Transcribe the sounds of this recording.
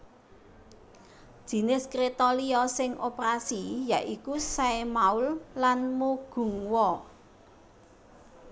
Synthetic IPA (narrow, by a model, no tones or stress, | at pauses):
d̥ʒ̥i̤nɪskɾet̪oliɔsɪŋopɾasijaʔikusaemaullanmuɡ̥ṳŋwɔ